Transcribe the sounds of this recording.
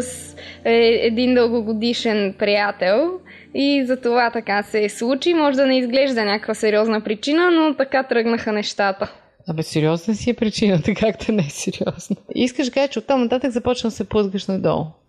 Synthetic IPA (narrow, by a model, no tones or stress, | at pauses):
sɛɛd̪ind̪əlˠɡoɡod̪iʃɛnpɾijat̪ɛlˠ | izɐt̪ovat̪ɐkasɛslˠut͡ʃimɔʒɛd̪ɐnɛizɡlɛʒd̪ənʲakəkvɐsɛɾiɔznəpɾit͡ʃinənot̪ɐkat̪ɾɤɡnəxənɛʃt̪at̪ə | ɐbɛsːɛɾiɔznəsiɛpɾit͡ʃinət̪ɐkʰak̚t̪ɛnɛɛsɛɾiɔz̥nəiskəʃʒd̪ɐkaʒət͡ʃɛot̪ːamnɐt̪at̪əkzɐpɔt͡ʃnəsɛpəzɡəʃnɐd̪ɔ̰lˠ